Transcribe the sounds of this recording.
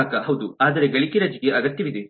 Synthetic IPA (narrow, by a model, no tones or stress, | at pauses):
aːkɐɦɐwd̪uaːd̪ɐɾebeɭikiɾɐd͡ʒiɡeʔɐɡɐt̪jɐʋid̪e